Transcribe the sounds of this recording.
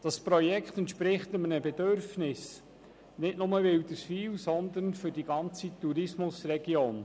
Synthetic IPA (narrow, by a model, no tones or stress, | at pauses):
d̥ɑspɾɔjɛkχt̪ɛnt̪ʃpɾɪχtəmənəbɛdøɾfnɪs | nɪtnʊməʋɪwdəsfiːwsɔnd̪ənfʏɾdiɡ̥ɑnt͡sit̪uɾɪsmʊsrɛɡioːn